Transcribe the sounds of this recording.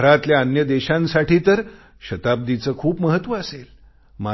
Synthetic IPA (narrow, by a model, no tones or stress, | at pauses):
ɾat̪ljaənjəd̪eɕãnsaʈʰiːt̪əɾ | ɕət̪ab̚d̪it͡səːkʰuːpməɦət̪ːʋəːsel | ma